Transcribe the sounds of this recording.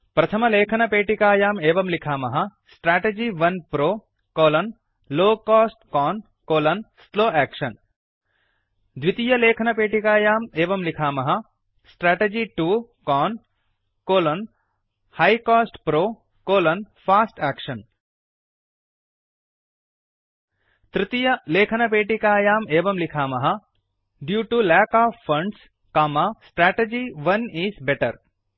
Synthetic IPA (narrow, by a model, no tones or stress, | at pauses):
pɾɐt̪ʰɐmɐleːkʰɐnɐpeːʈikaːjaːmeːʋɐmlikʰaːmɐɦɐsʈɾɛːʈeːd͡ʒiːʋɐnpɾoː | koːlɐn | loːkaːsʈkɔːn | koːlɐnsloːɛːkʃɐn | d̪ʱʋit̪ijɐleːkʰɐnɐpeːʈikaːjaːmeːʋɐmlikʰaːmɐɦɐ | sʈɾɛːʈed͡ʒiʈuːkɔːn | koːlɐn | haːjkɔːsʈpɾoː | koːlɐnfʰaːsʈæːkʃɐn | t̪ɾɪt̪ijɐleːkʰɐnɐpeːʈikaːjaːmeːʋɐmlikʰaːmɐɦɐ | ɖjuːʈulæːkaːfːɐ̃ɳɖs | kaːmasʈɾɛːʈed͡ʒiʋɐniːzbɛʈɐ̰ɾ